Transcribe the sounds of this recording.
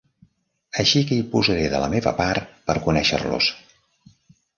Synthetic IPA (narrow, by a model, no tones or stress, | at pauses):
əʃikəipuzəɾeðələmeβə̰paɾt̪pəɾkunɛʃə̰rlṵs